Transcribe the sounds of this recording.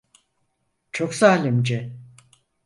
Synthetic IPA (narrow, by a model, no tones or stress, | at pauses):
t͡ʃʰoksaːlimd͡ʒɛ